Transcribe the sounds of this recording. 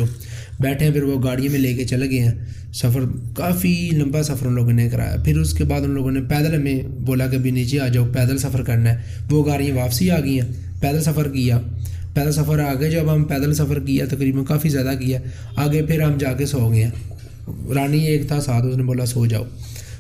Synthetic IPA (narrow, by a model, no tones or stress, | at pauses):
oː | bɛːʈʰeːɛ̃ːpʰɪɾʋoːɡaːɽɪjãːmẽːleːkeːt͡ʃəlɡəɛ̃ː | səpʰəɾkaːfʰiːlə̃mbaːsəpʰəɾõloːɡõːneːkəɾa̰ːja̰ːpʰɪɾʊskeːbaːd̪ʊnloːɡõːneːpɛːd̪əlmẽboːlaːk̬ebɪniːt͡ʃeaːd͡ʒaːoːpɛːd̪əlsəpʰəɾkəɾnaɛː | ʋoːɡaːɽɪjãːʋaːpsiːaːɡiːãː | pɛːd̪əlsəpʰəɾkiaː | pɛːd̪əlsəpʰəɾaːɡeːd͡ʒəbɦəmpɛːd̪əlsəpʰəɾkiɛːt̪əkɾiːbənkaːfiːzjaːd̪aːk̬ɪɛː | aːɡeːpʰɪɾɦəmd͡ʒaːkesoːɡeɛ̃ː | ɾaːniːeːkt̪ʰaːsaːt̪ʊsneːboːlaːsoːd͡ʒa̰ːo̰ː